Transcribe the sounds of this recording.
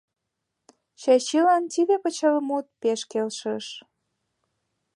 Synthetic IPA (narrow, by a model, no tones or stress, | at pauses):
t͡ɕɑt͡ɕilɑnt̪iβepət͡ɕɑləmut̪̚peʃkelʃəʃ